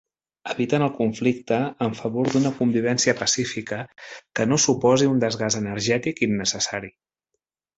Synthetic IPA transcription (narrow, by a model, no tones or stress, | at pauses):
əβit̪ənəlˠkuɱflik̚t̪əːɱfəβoɾd̪unəkumbiβ̞ɛnsiəpəsifikəkənosupɔziund̪əzɣazənəɾʒɛt̪ikinːəsəsaɾi